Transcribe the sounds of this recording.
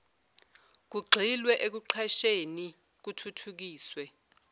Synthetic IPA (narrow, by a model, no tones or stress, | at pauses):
k̬uɡ͡ǀʱilwɛʔek̬uǃʰaʃeni | k̬utʰutʰuk̬iːswɛ